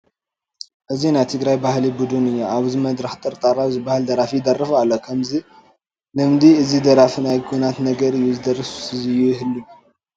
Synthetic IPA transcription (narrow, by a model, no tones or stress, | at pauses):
ʔɨzːinat̪ʰɨɡɾajbahlibud̪ɨnɨɲːaaβzməd̪ɾəht̪ʼəɾt̪ʼaɾawzbahɨld̪əɾafid̪ərːɨfalːəkʰəmzi | ləmd̪iɨzːid̪əɾafɨnajɡʰonat̪nəɡəɾɨjɛzd̪ərəsu̥sɨzɨjɛjɪɦɨlːum